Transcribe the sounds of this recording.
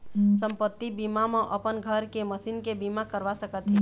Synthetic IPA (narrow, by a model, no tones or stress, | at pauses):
səmpət̪ːibimamẽʔəpənɡʱəɾkeməsinkebimakəɾʋasəkət̪ɦɛ̃